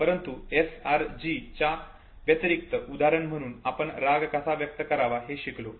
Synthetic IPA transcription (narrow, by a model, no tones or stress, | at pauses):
pəɾənt̪uesaɾd͡ʑit͡ɕa | ʋjət̪əɾik̚t̪əʔud̪aɾəɳm̤əɽ̃uːnapəɳɾaɡkasaʋjək̚t̪əkəɾaʋaɦeɕiklo